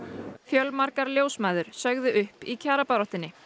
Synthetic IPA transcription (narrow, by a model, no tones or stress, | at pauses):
fjœlmaɾkaɾljoːwsmaːjðʏɾ̥sœɣðʏʔʏhpicʰaːɾapaɾɔht̪ɪnːɪ